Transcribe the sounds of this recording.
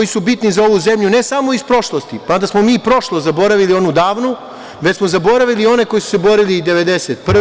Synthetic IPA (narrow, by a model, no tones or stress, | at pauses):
jisubit̪nizao̞ʋuze̞mʎune̞samo̞ispɾo̞ʃlˠost̪ipand̪asmo̞miːpɾo̞ʃlˠozabo̞ɾaʋilio̞nud̪aːʋnu | ʋet͡ɕsmo̞zabo̞ɾaʋilio̞ne̞ko̞jisu̥sebo̞ɾiliːd̪e̞ʋe̞d̪eset̪̚pr